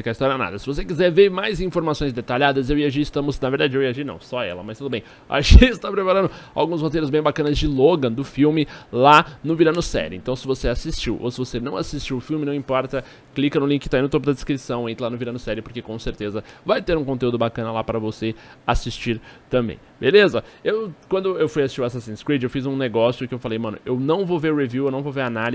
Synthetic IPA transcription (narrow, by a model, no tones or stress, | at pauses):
fikaist̪ɔɾjɐɐna̰d̪ɐsɪvosekizɛɾveɾmajzĩfoɾmasõj̃zd̪et̪aʎad̪ɐzewiaʒiɾɪst̪ɐ̃mʊznaveɾd̪ad͡ʒɪewiaʒiɾnɐ̰̃w̃sɔɛ̰lɐmɐst̪ud̪ʊbẽj̃ | a̰ʒẽɪst̪apɾepaɾɐ̃nd̪ʊa̰wɡũshot̪ejɾʊzbẽj̃bakɐ̃nɐzd͡ʒɪloɡɐ̃d̪ʊfiwmɪlanʊviɾɐ̃nʊsɛ̰ɾɪʊḛ̃t̪ɐ̃w̃sɪvoseasist͡ʃiwʔo̰sɪvosenɐ̃w̃asist͡ʃiwʊfiwmɪnɐ̃w̃ĩpɔɾt̪ɐ | klikɐnʊlĩkɪt̪aijnʊt̪op̬ʊd̪ɐd̪ɪskɾisɐ̃w̃ẽt̪ɾɐlanʊviɾɐ̃nʊsɛɾɪʊpoɾkekõseɾt̪ezɐvajt̪eɾũkõnt̪eud̪ʊbakɐ̃nɐlapɾɐvoseasist͡ʃiɾt̪ɐ̃mbḛ̃j̃belezɐewkwɐ̃nd̪ʊewfujasi̥st͡ʃiwasasĩskɾit͡ʃewfizũneɡɔsjʊkɪewfalejmɐ̃nʊ̰ʔewnɐ̃w̃vowveɾheviuwewnɐ̃w̃vowveɾanal